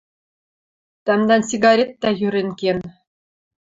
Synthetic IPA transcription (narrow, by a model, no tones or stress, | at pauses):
t̪ɑmd̪ɑnsiɡɑɾʲet̪̚ːɑjyɾʲɘ̆ŋkʲen